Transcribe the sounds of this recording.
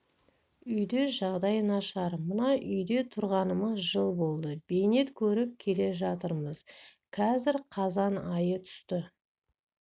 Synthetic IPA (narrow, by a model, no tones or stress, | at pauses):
ʏjd̪eʒɑʁd̪ɑjənɑʃɑɾmənɑʔʏjd̪e̞t̪ʰʊɾʁɑnəməzʒəlˠbo̞lˠd̪əb̥e̞jne̞t̪kʲʰɵɾɪp̚kʲʰe̞le̞ʒɑt̪əɾməz | kʰɑzɪɾqʰɑzɑnɑjət̪ʰʏ̥st̪ɪ